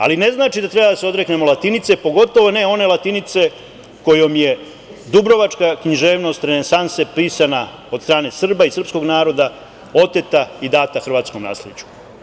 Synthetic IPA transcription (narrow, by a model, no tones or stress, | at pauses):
a̰line̞znaːt͡ʃid̪at̪ɾe̞bad̪aseo̞d̪ɾe̞kne̞mo̞lˠat̪init̪se̞po̞ɡo̞t̪o̞ʋo̞ne̞o̞ne̞lat̪init̪se̞ | ko̞jo̞mje | d̪ubɾo̞ʋat͡ʃkakɲiʒe̞ːʋno̞st̪ɾenensansepiːsana | o̞d̪st̪ɾaːne̞sr̩baisr̩psko̞ɡnaːɾo̞d̪a | o̞t̪e̞t̪aid̪aːt̪axr̩ʋaːt̪sko̞mna̰ːslʲet͡ɕu̥